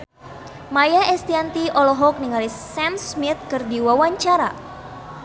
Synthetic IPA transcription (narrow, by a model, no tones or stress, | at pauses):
majaɛst̪iant̪iʔɔlɔɦɔk̚niŋalisɛmsmit̪̚kɨrdiwawaɲt͡ʃaɾa̰